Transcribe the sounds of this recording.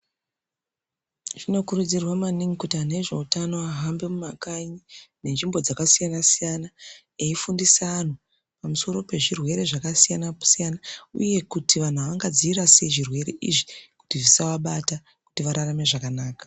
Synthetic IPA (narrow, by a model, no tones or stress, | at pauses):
ʐ̥ino̞kuɾud͡zirwamaniŋikutiane̞ʐe̞utano̞aɦambe̞mumakaɲine̞nʐimbo̞d͡zakasijanasijana | eifundisaːn̤u | pamuso̞ɾo̞pe̞ʐirwe̞ɾe̞ʐakasijanau̥sijanaṵje̞kutʰiʋan̤uaʋaŋɡad͡ziiɾaseʐirwe̞ɾe̞ʔḭʐi̥ku̥tiʐisawaɓata | ku̥tiʋaɾarame̞ʐakanaːkḁ